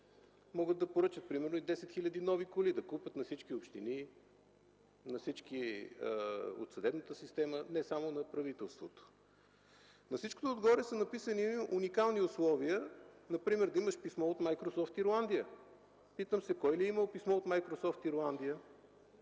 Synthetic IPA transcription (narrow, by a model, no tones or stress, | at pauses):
mɔɡət̪ːɐpoɾɤt͡ʃət̪̚pɾimɛɾnoid̪ɛsɛt̪xilʲəd̪inɔvikolid̪ɐkupət̪nɐfsit͡ʃkiopʃt̪ini | nɐsit͡ʃk̟i | o̰t̪sɐd̪ɛbnət̪əsist̪ɛmənɛsamonɐpɾɐvit̪ɛlˠst̪vot̪o̥ | nɐfsit͡ʃko̥t̪oːd̪ɡɔɾɛsənɐpisəniunikalˠniʊslˠɔviənɐpɾimɛɾd̪ɐiməʃpismɔot̪majkɾosɔft̪iɾlˠand̪ijə | pit̪əmsɛkɔjliiməlˠpismɔot̪majkɾosɔft̪iɾlˠand̪ijə